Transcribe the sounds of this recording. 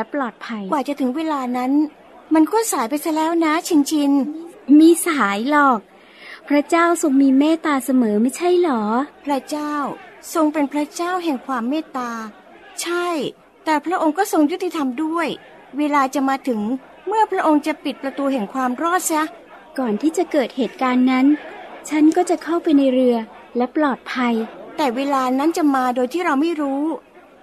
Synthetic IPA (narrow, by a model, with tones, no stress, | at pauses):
lɛ˦˥plɔː˨˩t̪̚pʰa˧jwaː˨˩t͡ɕa˨˩t̪ʰɯ˩˦ŋweː˧laː˧na˦˥n | ma˧nkɔː˥˩saː˩˦jpa˧jsa˧˥˩lɛː˦˥wna˦˥t͡ɕʰi˧nt͡ɕʰi˧nmiː˧saː˩˦jlɔː˨˩k̚ | pʰɾa˦˥t͡ɕaː˥˩wso˧ŋmiː˧meː˥˩t̪aː˧sa˧mɤː˩˦ma˥˩jt͡ɕʰa˥˩jlɔː˩˦pʰɾa˦˥t͡ɕaː˥˩wso˧ŋpe˧npʰɾa˦˥t͡ɕaː˥˩wɦɛ˨˩ŋkʰwaː˧mːeː˥˩t̪aː˧ | t͡ɕʰa˥˩j | t̪ɛː˨˩pʰɾa˦˥ʔo˧ŋkɔː˥˩so˧ŋju˦˥t̪ːi˧t̪ʰa˧mdu˥˩əj | weː˧laː˧t͡ɕa˨˩maː˧t̪ʰɯ˩˦ŋ | mɯ˥˩ɐpʰɾa˦˥ʔo˧ŋt͡ɕa˨˩pi˨˩t̪̚pɾa˧t̪uː˧ɦɛ˨˩ŋkʰwaː˧mɾɔː˥˩t̪̚sa˦˥ | kɔː˨˩nt̪ʰiː˥˩t͡ɕa˨˩kɤː˨˩t̪̚heː˨˩t̪̚kaː˧nːa˦˥nt͡ɕʰa˦˥nkɔː˥˩t͡ɕa˨˩kʰa˥˩wpa˧jna˧jɾɯ˧ɐ | lɛ˦˥plɔː˨˩t̪̚pʰa˧jt̪ɛː˨˩weː˧laː˧na˦˥nt͡ɕa˨˩maː˧doː˧jt̪ʰiː˥˩ɾa˧wma˥˩jɾuː˦˥